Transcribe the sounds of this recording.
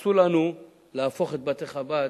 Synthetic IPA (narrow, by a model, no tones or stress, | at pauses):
sulanu | laafo̞χet̪̚bat̪eχaba